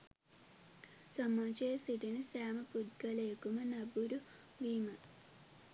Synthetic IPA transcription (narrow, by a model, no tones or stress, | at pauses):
samːaːt͡ʃəjəsiʈinəsæːməpud̪ɡaləjekumənabuɾu | ʋiːmə